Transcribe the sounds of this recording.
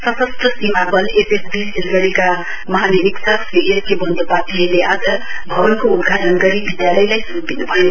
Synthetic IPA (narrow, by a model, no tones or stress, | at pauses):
sʌsʌst̪ʌsimabʌlepesbisilɡʌɽika | mʌɦaneɾiksaksiʔeskebʌnd̪ʱopat̪ʰʌjleʔad͡zʌbʱʌbʌnkoud̪ɡʱaʈʌnɡʌɾibʱid̪jalʌjlajsupinubʱʌjo